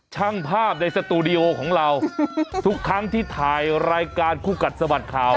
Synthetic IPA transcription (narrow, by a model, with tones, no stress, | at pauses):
t͡ɕʰa˦˥˩ŋpʰaː˥˩p̚na˧jsa˧t̪uː˧di˧ʔoː˧kʰɔː˩˦ŋɾa˧wt̪ʰu˦˥kʰːɾa˦˥ŋt̪ʰiː˥˩t̪ʰaː˨˩jɾaː˧jkaː˧nkʰuː˧˩ka˨˩t̪̚sa˧ba˨˩t̪̚kʰaː˨˩w